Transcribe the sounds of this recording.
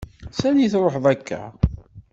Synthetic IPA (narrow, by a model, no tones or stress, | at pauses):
sæniθɾˤoħðˤækːæ̰